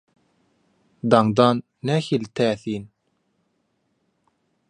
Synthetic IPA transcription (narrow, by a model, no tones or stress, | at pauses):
d̪ɑŋd̪ɑːnːæxilt̪ʰæːθiːn